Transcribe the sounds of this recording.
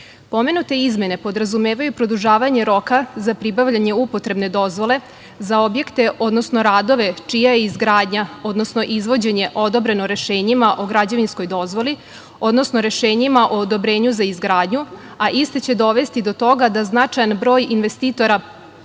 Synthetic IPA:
po̞me̞nut̪e̞izme̞ne̞po̞d̪ɾazumeːʋajupɾo̞d̪uʒaːʋaɲe̞ɾo̞kazapɾibaʋʎaɲe̞upo̞t̪ɾe̞bne̞d̪o̞zʋo̞le̞ | zao̞bje̞kt̪e̞ʔo̞d̪no̞sno̞ɾaːd̪o̞ʋe̞t͡ʃijajeizɡɾaːd̪ɲao̞d̪nosno̞ʔizʋo̞d͡ʑe̞ɲe̞ʔo̞d̪o̞bɾe̞noɾe̞ʃeːɲimaʔo̞ɡɾad͡ʑeʋinskojd̪o̞zʋo̞li | o̞d̪no̞sno̞ɾe̞ʃeːɲimaʔoːd̪o̞bɾe̞ːɲuzaizɡɾaːd̪ɲu | aʔist̪et͡ɕe̞d̪o̞ʋe̞st̪id̪o̞t̪o̞ɡad̪aznat͡ʂajanbɾo̞ːjinʋest̪iːt̪o̞ɾa

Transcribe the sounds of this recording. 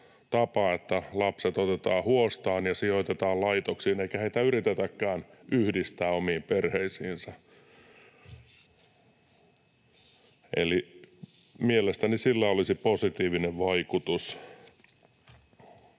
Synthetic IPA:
t̪ɑpɑet̪ːælɑpset̪ot̪et̪ɑːhuost̪ɑːnjɑsioit̪et̪ɑːllɑit̪oksiːneikæheit̪æyrit̪et̪ækːæːnyhdist̪æːomiːmperheisiːnsɑ | ʔḛli | mielest̪ænisilːæolisiposit̪iːʋineʋʋɑikut̪us

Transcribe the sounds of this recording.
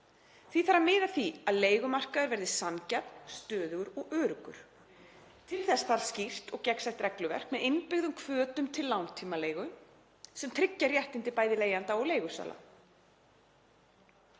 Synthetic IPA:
θviθaɾamɪːðaθiaðleːjɣʏmar̥kaðʏɾvɛɾðɪsancat̪st̪œːðʏɣʏɾɔɣœːɾʏkʏ̰ɾ̥ | t̪ʰɪlθɛsθaɾ̥scir̥t̪ɔɣcɛksajht̪ɾɛklʏvɛ̰r̥kmɛðɪnpɪɣðʏmkʰvœːt̪ʏmt̪ʰɪllːawnt̪ʰiːmaleːjɣʏ | sɛmt̪ʰɾɪcːaɾjɛht̪ɪnt̪ɪpaːjðɪleːjant̪aɔɣleːjɣʏsa̰ːla̰

